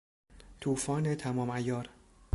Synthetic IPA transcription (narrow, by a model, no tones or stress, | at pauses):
t̪ʰuːfɒːnet̪ʰæmɒːmæjɒːɾ